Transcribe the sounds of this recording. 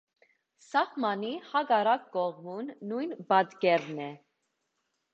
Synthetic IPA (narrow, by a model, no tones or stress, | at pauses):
sɑhmɑnihɑɡɑɾɑk̚ːɔʁmunːujnbɑd̪ɡɛɾnɛ